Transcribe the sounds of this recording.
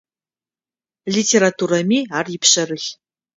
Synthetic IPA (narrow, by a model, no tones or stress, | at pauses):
ɮitʰeɾatʰuːɾɐmiːaːrjɪpɕɐrɨɬ